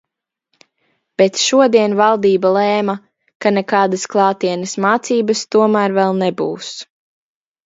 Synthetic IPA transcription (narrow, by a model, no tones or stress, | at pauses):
b̥ɛt̪ʃuɔd̪iɛnvalˠd̪iːbalˠɛːma | kanɛkaːd̪asklˠɑːt̪iɛnɐsmaːt̪siːbɐst̪uɔmæːɾvɛlˠnɛbṵːs